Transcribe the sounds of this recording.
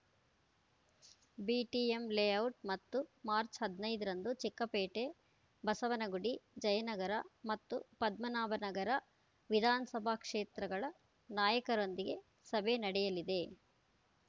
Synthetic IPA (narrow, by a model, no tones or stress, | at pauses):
biːʈiemleːɐwʈ̚mɐt̪ːumaːɾt͡ʃɦɐd̪ʱnɐjd̪ɐɾɐnd̪ut͡ʃikːɐpeːʈe̞ | bɐsɐʋɐnɐɡuɽid͡ʒɐjɐnɐɡɐɾɐmɐt̪ːṵpɐd̪mɐnaːbɐnɐɡɐɾɐ | ʋid̪ʱaːnɐsɐbʱaːkʂeːt̪ɾɐɡɐɭɐ | naːjɐkɐɾo̞nd̪iɡe̞ | sɐbʱenɐɽɛjɐlid̪e̞